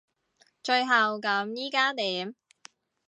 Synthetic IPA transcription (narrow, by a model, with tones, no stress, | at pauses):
t͡ʃɵ˧ɥɦɐ˨wkɐ˨˧˥mjiː˥kaː˥t̪iː˨˥m